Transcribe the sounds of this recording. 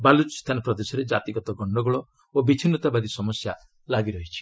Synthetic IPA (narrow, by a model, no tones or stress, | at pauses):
balut͡ʃst̪ʰanɔpɾɔd̪esɔɾed͡ʒat̪iɡɔt̪ɔɡɔɳɖɔɡɔɭɔ | obit͡ʃʰinɔt̪abad̪isɔmɔsja | laɡiɾɔɦit͡ʃʰi̥